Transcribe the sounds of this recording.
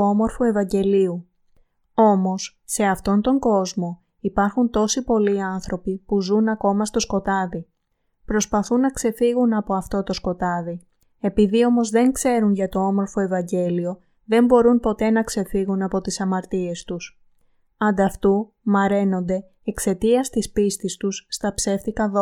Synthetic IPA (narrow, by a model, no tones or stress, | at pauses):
omo̞ɾfoe̞vɐɲɟe̞liu | o̞mo̞sːe̞ɐft̪o̞nt̪o̞ŋɡo̞zmo̞ | ipɐɾxunt̪o̞sipo̞liɐnθɾo̞pipuzunɐko̞mɐst̪o̞sko̞t̪ɐði | pɾo̞spɐθunːɐkse̞fiɣunɐpo̞ɐft̪o̞t̪o̞sko̞t̪ɐði | e̞piðio̞mo̞zðe̞ŋkse̞ɾunʝɐt̪o̞omo̞ɾfo̞e̞vɐɲɟe̞lio̞ | ðe̞mbo̞ɾunpo̞t̪e̞nɐkse̞fiɣunɐpo̞t̪isɐmɐɾt̪ie̞st̪us | ɐnd̪ɐft̪u | mɐɾe̞no̞nd̪e̞ːkse̞t̪iɐst̪ispist̪ist̪usːt̪ɐpse̞ft̪ikɐðo